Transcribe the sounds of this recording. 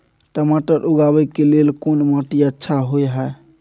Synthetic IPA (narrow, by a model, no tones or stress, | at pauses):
ʈəmaʈəɾʔuɡabɛkelelkonmaʈiətːʃʰaɦojɦɛ